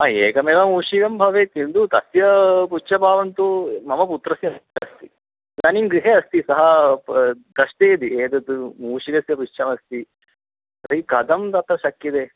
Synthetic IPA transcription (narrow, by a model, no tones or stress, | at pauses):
aːeːkɐmeːʋɐmuːʂiɡɐmbʱɐʋeːt̪ind̪ut̪ɐsjɐput͡ʃɐbʱaːʋɐnt̪umɐmɐp̬ut̪ɾɐsjɐɐst̪i | nɐnimɡɾiɦeːɐst̪isɐɦɐ | d̪ɐsʈ̪eːd̪ieːd̪ɐd̪umuːʂiɡɐsjɐput͡ʃːt͡ʃʰɐmɐst̪i | ɾɐikɐd̪ʱɐmd̪ɐt̪ːɐʃɐkːid̪e